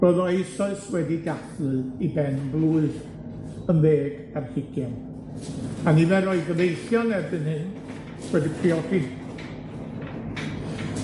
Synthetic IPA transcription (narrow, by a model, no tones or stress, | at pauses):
b̥əðɔejsɔɨswɛdiɡaθlɨibɛnblˠuɨð | ənveːɡ | arhɪɡjɛn | aniðɛɾɔɨɡəvejθjɔnɛbɨnhɨn | wɛdipʰriɔɡɪn